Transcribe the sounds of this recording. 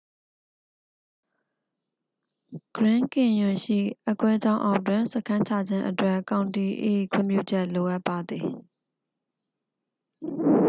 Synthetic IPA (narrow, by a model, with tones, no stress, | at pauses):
ɡ̥əɹɪ̃˦ŋkɪ̃˨jʊ̃˨ʃḭ˦˨ʔɛ˦kwɛ˦d͡ʑã˦ʊ̃ʔa̰˦ʊ̃twɪ̃˨nsə˦kʰã˦ɲt͡ɕʰa˦˨d͡ʑɪ̃˦ʔətwɛ˦˨kã˨ʊ̃nti˨ʔḛ˦˨kʰwɪ̰̃˦˨mjṵ˦˨d͡ʑɛ˦ʔlo˨ʔa˦pːa˨d̪ði˨